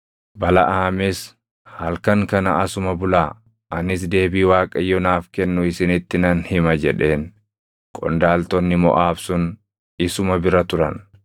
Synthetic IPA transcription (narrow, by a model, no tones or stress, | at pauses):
bɐlɐ̰ʔaːmɪs | hɐlkɐŋkɐnɐɐsʊmɐbʊlaː | ʔɐnɪs̬d̪e̞ːbiːwaːkʼɐjːɔnaːfkɛnːʊɪsɪnɪt̪ːɪnɐnhɪmɐd͡ʒɛᶑe̞ːn | kʼɔ̰nd̪aːlt̪ɔnːɪmɔ̰ʔaːfsʊn | ɪsʊmɐbɪɾɐt̪ʊɾɐ̰n